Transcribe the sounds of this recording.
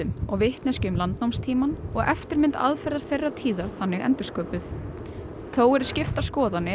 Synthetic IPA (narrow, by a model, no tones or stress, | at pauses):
ʏmɔɣvɪht̪nɛscʏmlant̪̚nowmst̪ʰiːmanɔɣʔɛft̪ɪɾmɪnt̪a̰ðfɛraɾ̥θejrːat̪ʰiːðaɾ̥θanːɪɣɛ̰nt̪ʏ̥skœːpʏθ | θowɛɾ̥scɪft̪ḁskɔːðanːɪ